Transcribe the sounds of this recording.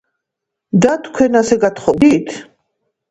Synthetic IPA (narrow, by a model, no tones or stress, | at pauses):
d̪at̪ʰkʰwɛnasɛɡat̪χɔd̪it̪ʰ